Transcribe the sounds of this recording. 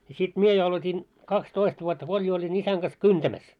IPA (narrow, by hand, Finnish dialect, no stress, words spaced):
j̆ɑ̆ sit mie jo ɑlotʲin kɑkstoist ʋuotːɑ ko olʲ jo olʲin isæŋ ɡ̊ɑs kyntæmæs